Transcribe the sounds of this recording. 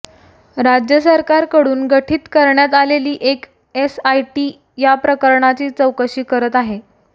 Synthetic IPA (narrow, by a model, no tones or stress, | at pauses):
ɾad͡ʑjəsəɾkaɾkəɽuːnɡəʈʰiːt̪kəɾɳjat̪aleliːʔek | esajʈiː | japɾəkəɾɳat͡ɕiːt͡səwkəɕiːkəɾət̪aɦe